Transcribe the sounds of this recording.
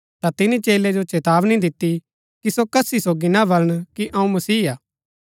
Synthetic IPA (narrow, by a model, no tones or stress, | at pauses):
t̪at̪ɪnit͡ʃeːled͡ʒot͡ʃeːt̪aːʋnĩd̪ɪt̪ːi | kisokɐsisoːɡinabɐləɽ̃kiʔɐũmɐsiːaː